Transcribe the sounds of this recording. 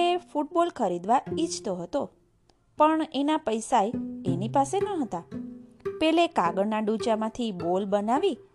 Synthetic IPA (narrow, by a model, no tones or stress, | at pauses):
efuʈ̚bolkʰəɾid̪ʋait͡ʃt̪oɦət̪o | pəɳenapəjsaeenipasenəɦət̪a | pelekaɡəɾnaɖũt͡ʃamãt̪ʰibolbənaʋi